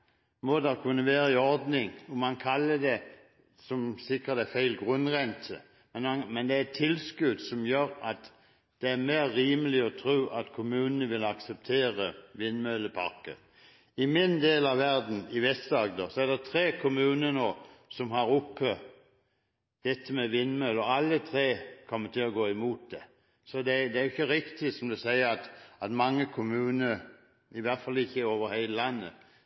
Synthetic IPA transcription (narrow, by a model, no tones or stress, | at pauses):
mod̪ɑkʰʉnːəʋæːɾəɪɔɾd̪nɪŋɔmɑnkʰɑlːəd̪ɛ | sɔmsɪkʁəd̪ɛfæɪlɡʁʉnʁɛnt̪ʰə | mɛnmɑmɛnd̪ɛæɾɛt̪ʰːɪlskʉd̪sɔmjøːɾɑt̪ | d̪̥ɛæɾmeːʁːiːməlɪɔt̪ʰɾʉːʔɑt̪kʰʊmʉːnənəʋɪlɑksɛp̚t̪ʰeːʁəʋɪnːmœləpʰɑ̰ʁkə̰ | ɪmɪnd̪eːlɑʋʋæʁd̪n̩ɪʋɛst̪d̪ɑːɡd̪oːsɔæd̪ɛt̪ʰʁeːkʰʊmʉːnənoːsɔmɦɑʁʊpʰːə | d̪̥ɛt̪ʰːəmɛʋɪnːmœlɔɑlːət̪ʰʁeːkʰɔmːət̪ɪlɔɡoːɪmuːt̪̚d̪ɛ | sɔd̪ɛd̪ɛæɾjʊɪçːəɾɪkt̪ɪsɔmd̪ɛsæɪəɾɑt̪ɑt̪mɑŋːəkʰʊmʉːnəɾ | ɪʋæʁt̪fɑlːɪçːəoːʋəɾhæɪləlɑnːə̰